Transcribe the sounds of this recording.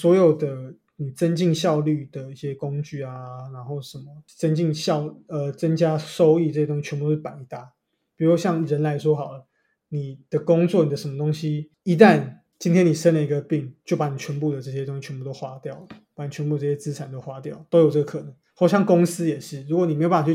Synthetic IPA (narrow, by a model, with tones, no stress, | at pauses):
swɔ˧˥jo˨˩ʊd̪ə˨ | ni˨˩t͡sə˦nt͡ɕi˥˧ŋɕjɑ˥˧ʊly˥˨˩d̪ə˩i˥˩ɕjɛ˦kʊ˦ŋt͡ɕy˥˩a˨na˧˥nxo˥˩ʊʂə˨˩nmə˩t͡sə˦nt͡ɕi˥˨˧ŋɕjɑ˥˨ʊə˨t͡sə˦nt͡ɕja˥so˥ʊi˥˩t͡sɤ˥˩ɕjɛ˥t̪o˥ŋɕi˥˩t͡ɕʰɛ˧npu˥˧o˥˩pa˨˩i˨˩t̪a˥˩ | pi˨˩ɻu˧˥˧ɕjɑ˥˩ŋɻə˧˥nla˧˦ɪʂwɔ˥xɑ˨˩ʊlə˩ | ni˨˩d̪̥ə˦kʊ˥ŋt͡swɔ˥˨ni˨˩d̪ə˦ʂə˧˦mə˧t̪o˥ŋɕi˦ | i˧˥t̪a˥˨n | t͡ɕi˥nt̪ʰjɛ˥ni˨˩ʂə˥nlə˨˩i˧˥ɡə˧pi˥˨˩ŋt͡ɕjo˥˩ʊpa˨˩˦ni˨˩t͡ɕʰɥɛ˧˥npu˥˨d̪ə˩ʈ͡ʂɤ˥˩ɕjɛ˥t̪o˥ŋɕi˨t͡ɕʰɛ˧˦˥pu˥˩t̪o˥xwa˥t̪jɑ˥˨˩ʊlə˨pa˨˦ni˨˩t͡ɕʰɛ˧˦npu˥d̪ə˧t͡sɤ˥˩ɕjɛ˥t͡sɹ̩˥t͡sʰa˨˩nt̪o˥ʊxwa˥t̪jɑ˥˩ʊ˩t̪o˥ʊjt͡sɤ˥˩ɡə˩kʰɤ˨˩nə˧˦ŋxo˥˩ʊɕjɑ˥˧ŋkʊ˥ŋsɹ̩˥jɛ˨˩ʂɻ̩˥˩ɻu˧˥kwni˨˩m˧˥jã˩˨˩